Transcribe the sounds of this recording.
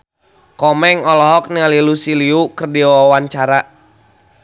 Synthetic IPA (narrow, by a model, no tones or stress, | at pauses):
kɔmɛŋɔlɔɦɔk̚nialilusiliukərdiɔɔwaɲt͡ʃaɾa